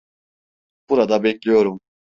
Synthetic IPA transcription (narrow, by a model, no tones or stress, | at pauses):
b̥uɾad̪abɛclʲijo̞ɾum